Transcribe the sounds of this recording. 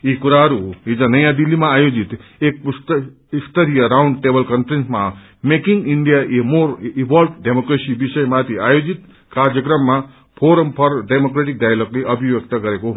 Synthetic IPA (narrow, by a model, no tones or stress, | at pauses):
ikuɾaɦɾuid͡ʒãnəjãd̪ilːimãːjod͡ʒit̪ek̚s | ist̪əɾijəɾawɳɖ̚ʈebəlkənfɾẽnsma | mekiŋɡiɳɖijaʔemoɾibʱɔlʈɖemokɾesibisəjmat̪ʰiajod͡ʒit̪ | kaɾd͡ʒjəkɾʌmːã | pʰoɾəmpʰʌɾɖemokɾeʈik̚d̪ajloɡleʔʌbʱiʋjek̚t̪əkəɾeko